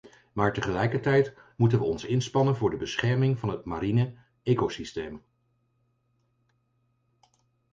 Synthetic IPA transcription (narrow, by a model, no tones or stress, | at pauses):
maːɹtəχəlɛjkəɹtɛjtmutənʋəɔnsɪnspɑnənvʊːɹdəbəsχɛɹmɪŋvɑnɦətmaɾinə | eːkosisteːm